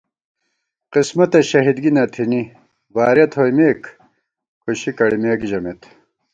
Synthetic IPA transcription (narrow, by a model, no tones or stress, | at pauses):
qismɐt̪ɐɕɐɦid̪ɡinɐt̪ʰini | vaːɾjɐt̪ʰhojmeːk | kʰuɕikɐɽimeːkʑɐmet̪